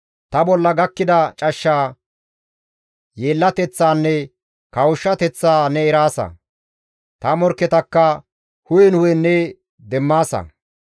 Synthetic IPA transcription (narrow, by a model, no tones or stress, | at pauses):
t̪ɐbɔlːɐɡɐkːɪd̪ɐt͡ʃʼɐʃːaː | jeːlːɐt̪ɛt͡sːaːnːɛ | kɐwʊʃːɐt̪ɛt͡sːaːnɛɛɾaːsɐ̰ | t̪ɐmɔɾkːɛt̪ɐkːɐ | hʊjɛnʊjɛnːɛ | d̪ɛmːaːsɐ̰